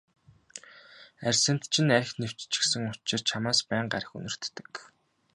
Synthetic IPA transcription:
ærʲsɘ̆nt̪t͡ɕʰɪ̆næɾ̆ʲxnew̥t͡ɕt͡ɕɪ̥̆ksɘ̆ŋʊt͡ɕɪ̆rt͡ɕʰamaːspæːɴɢa̰ɾʲə̆xṵnɵ̆r̥t̪ːɘ̥̆k

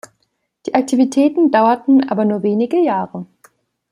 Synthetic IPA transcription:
d̥iːʔak̚tʰivitʰɛːtn̩daʊɐtn̩ʔa̰ːbɐnuːɐveːnɪɡəjaːʁə

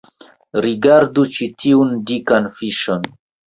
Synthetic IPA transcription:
ɾiɡaɾdut͡ʃitʰiundikanfiʃon

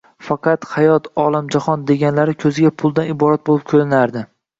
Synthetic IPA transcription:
fɑqɑt̪hɑjɒt̪ʰɒlˠamd͡ʒahɒnd̪e̞ɡʲanlaɾɪkʲʰɵzɪɡʲapʰʊlˠd̪anɪbɒɾat̪̚bolɪp̚kʲʰɵlɪnaɾd̪ɪ

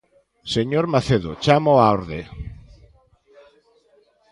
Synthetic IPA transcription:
seɲoɾmaθeðot͡ʃamoaoɾðe

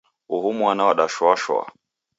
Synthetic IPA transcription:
uhumuanaɔɗaʃwaʃwa̰

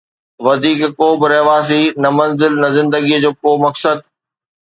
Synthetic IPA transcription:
ʋɐd̪ʱiːkːoːbɪɾɐɦʋaːs̬inɐmɐ̃nzɪlnɐzɪ̃nd̪əɡid͡ʑoːkoːmɐksəd̪̚

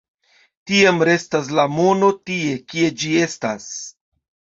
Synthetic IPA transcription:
tiamɾe̞stas̬lamo̞no̞tie̞kie̞d͡ʒie̞sta̰s

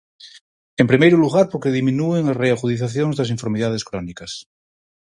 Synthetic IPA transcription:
empɾimejɾuluɣ̞aɾpokeðimĩnueŋareaɣuðiθ̬aθjoŋzðas̬iɱfoɾmiðað̞eskɾɔnikɐs

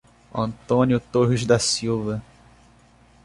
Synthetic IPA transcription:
ɐ̰̃nt̪õnjʊt̪oɦɪzd̪ɐsiwvɐ

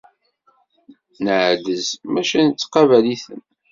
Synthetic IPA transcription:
nəʕd̪əzmæʃænət͡sːqɑvæliθən

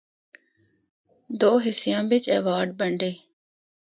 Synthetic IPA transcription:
d̪oːɦɪsɪjãːbɪt͡ʃḛʋaːɾɖ̚bɐɳɖeː

